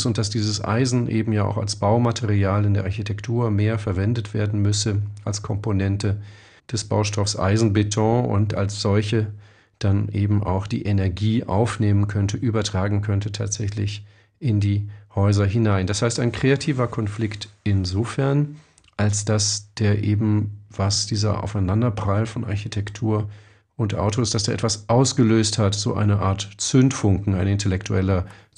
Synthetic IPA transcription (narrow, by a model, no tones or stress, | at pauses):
sʊnt̚d̥asd̥iːzəsʔa̰ɪzn̩ʔeːbm̩jaːʔa̰ʊxa̰lsb̥aʊmatʰeʁiaːlɪndeːɐʔaɐçitʰɛktʰuːɐmeːɐfɛɐvɛndətv̥eːɐdn̩mʏsəʔalskʰɔmponɛntə | d̥ɛsb̥a̰ʊʃtʰɔfsʔa̰ɪzn̩betʰɔ̃ʊ̰nta̰lsz̥ɔlçə | d̥anʔeːbm̩ʔa̰ʊxd̥ḭːʔenɛɐɡiːʔa̰ʊfneːmənkʰœntʰəʔyːbɐtʁ̥aːɡŋ̩kʰœntətʰa̰ːtz̥ɛçlɪ̰ç | ʔɪndiːhɔʏzɐɦɪnaɪndashaɪstaɪnkʁ̥eatʰiːvɐkʰɔnflɪktɪnzoːfɛɐn | ʔalsd̥asd̥eːɐʔeːbm̩vasd̥iːzɐ̰ʔa̰ʊfaɪnandɐpʁ̥alfɔnʔa̰ɐçitʰɛktʰuːɐ | ʔʊntʔa̰ʊtoɪstd̥asd̥eːɐʔɛ̰tv̥asʔaʊsɡ̥əløːsthatz̥o̰ːʔa̰ɪnəʔa̰ːɐtt͡sʏntfʊŋkŋ̩aɪnɪntʰɛlɛktʰuɛlɐ